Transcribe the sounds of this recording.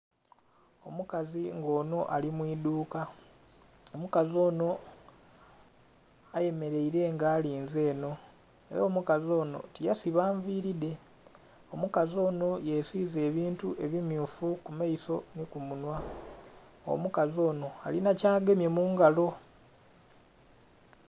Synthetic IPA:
o̞mukaziŋɡo̞ːno̞ʔalimwiːduːka | omukazo̞ːno̞ | aje̞me̞ɾe̞iɾe̞ŋɡaːliːnze̞ːno̞ | e̞ɾaːmukazo̞ːno̞̰tijasiβaːɱviːɾide̞ | o̞mukazo̞ːno̞jesize̞ːβiːntuʔe̞βimjuːfukumaiso̞nikumunwa | o̰mukazo̞ːno̞alinacaːɡe̞mje̞muːŋɡalo̞

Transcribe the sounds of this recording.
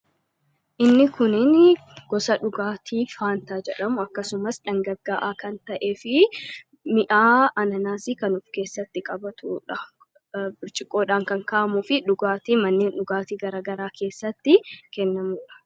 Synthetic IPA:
ʔɪnːɪkʊnɪn | ɡ̥ɔsɐᶑʊɡaːt̪ʰiːfaːnt̪aːd͡ʒɛᶑɐmʊɐkːɐsʊmɐsᶑɐŋɡɐɡːaːʔaːkɐnt̪ɐʔe̞ːfɪ | mɪʔaːɐnɐnaːsɪkɐnʊfke̞ːsːɐt̪ːɪkʼɐbɐt̪ʰuːᶑɐ | bɪɾt͡ʃʼɪkʼːo̞ːᶑaːŋkɐŋkaːʔɐmʊfɪᶑʊɡaːt̪iːmɐnːeːnᶑʊɡaːt̪iːɡɐɾaːɡɐɾaːkʰe̞ːsːɐt̪ːɪkɛnːɐmuːᶑɐ̥

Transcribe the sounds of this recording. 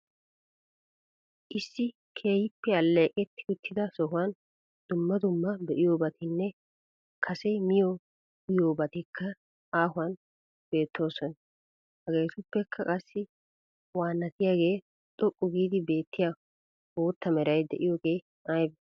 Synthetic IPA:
ʔɪsːɪ | kʰe̞ːhɪpːɛɐlːeːkʼɛt̪ːɪ̥ʊt̪ːɪd̪ɐsɔɦʊwɐn | d̪̥ʊmːɐd̪ʊmːɐbɛʔɪjoːbɐt̪ɪnːɛ | kʰɐsɛmɪjo | ɪjoːbɐt̪ɪkʰːɐ | aːɦʊwɐn | b̥e̞ːt̪ʰːo̞ːsɔn | hɐɡe̞ːt̪ʊpːɛkʰːɐkʼɐsːɪ | waːnːɐt̪ɪjaːɡe̞ː | t̪ʼɔkʼːʊɡiːd̪ɪbe̞ːt̪ːɪja | woːt̪ːɐmɛɾɐjd̪ɛʔɪjoːɡe̞ː | ajbɛ

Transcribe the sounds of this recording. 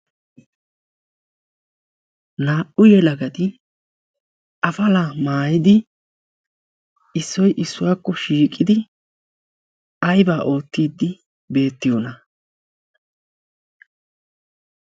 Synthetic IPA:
naːʔʊjɛlɐɡɐt̪ɪ | ʔɐfɐlamaːjɪd̪ɪ | ɪsːɔjʔɪsːʊwaːkːɔʃiːkʼːɪd̪ɪ | ɐjbaːʔo̞ːt̪ːiːd̪ːɪ | be̞ːt̪ːɪjonɐ

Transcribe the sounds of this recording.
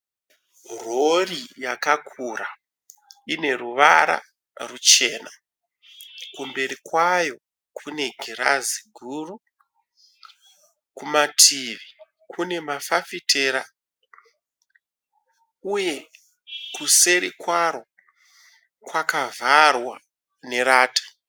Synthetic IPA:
ro̞rijakakʰura | ine̞ruʋaɾa̰ | rut͡ʃe̞ːna | kumbe̞ɾikwajo̞ | kʰune̞ɡʱiɾa̰ziɡʱuru | kumatʰiʋi | kʰune̞mafafitʰeːɾa | uje̞ | kuse̞ɾikwaɾo̞ | kwakavʱarwa̰ | ne̞ɾaːtḁ

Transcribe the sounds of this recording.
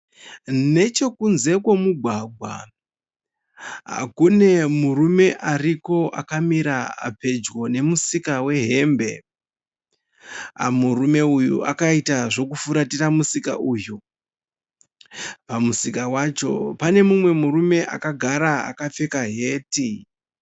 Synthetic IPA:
ne̞t͡ʃo̞kunze̞kwo̞muɡʱwaɡʱwa̰ | ɦa̰kune̞murume̞ʔariko̞ʔa̰kamiɾaa̰pe̞d͡ʒɡo̞ne̞musikawe̞ɦe̞mbe̞ | a̰murume̞ujṵʔa̰kaitaʐo̞kufuɾatiramusika̰ʔuju | pamusikawat͡ʃo̞̰pane̞mumwe̞murume̞ʔa̰kaɡʱaɾaa̰kap͡fe̞kaɦe̞ːti

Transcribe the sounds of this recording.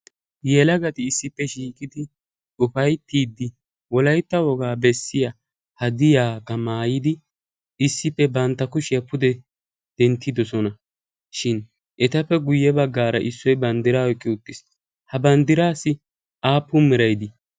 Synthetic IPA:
jɛlɐɡɐt̪ɪːsːɪpːɛʃiːkʼɪd̪ɪ | ʊfɐjt̪ːiːd̪ːɪ | wɔlɐjt̪ːɐwɔɡaːbɛsːɪja | hɐd̪ɪjaːkːɐmaːjɪd̪ɪ | ɪsːɪpːɛbɐnt̪ːɐkʊʃɪjɐpːʊd̪ɛ | d̪̥ɛnt̪ːɪd̪ɔsɔnɐ | ʃɪn | ʔɛt̪ɐpːɛɡʊjːɛbɐɡːaːɾɐ̰ʔɪsːɔjbɐnd̪ɪɾaːɔjkʼːɪʊt̪ːɪs | hɐbɐnd̪ɪɾaːsɪ | ʔaːpːʊmɪɾɐjd̪ɪ

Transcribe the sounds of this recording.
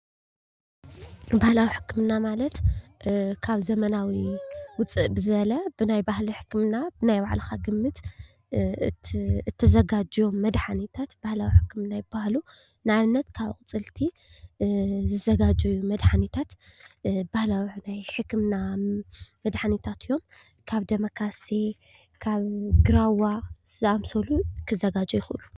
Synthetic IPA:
bahlawiħɨ̥kʰːɨmnamalɐt̪ | kʰaβzɐmɐnawiwʊt͡sʼːɨʔbɨzɨβɐlɐbɨnajbahliħɨ̥kːɨmnabɨnajbaʕlɐxaɡɨmːɨt̪ | ɨt̪ʰːɐzɐɡad͡ʒomːɐd̪ħanit̪ʰat̪b̥ahlawiħɨkʰːɨmnajɪb̥ahlu | nɨaβnːɐt̪kʰaβkʼɨt͡sʼɨlt̪ʰi | zɨzɐɡad͡ʒɐjːumɐd̪ħanit̪ʰat̪ | b̥ahlawinajħɨkːɨmna | mɐd̪ħanit̪ʰat̪ʰjːo̞m | kʰaβd̪ɐmɐkʰase | kʰaβɡɨɾawaz̥ɨʔamsɐlukʰɨzɐɡad͡ʒɐjɪxɨlːu

